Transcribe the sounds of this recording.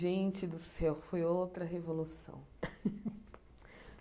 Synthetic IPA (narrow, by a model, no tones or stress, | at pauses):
ẽt͡ʃɪd̪ʊsɛwfojowt̪ɾɐɦevolusɐ̰̃w̃